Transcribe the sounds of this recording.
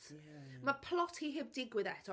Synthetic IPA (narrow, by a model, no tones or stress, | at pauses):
mapʰlˠɔtʰhiɦɪb̚dɪɡwɪðɛtʰɔ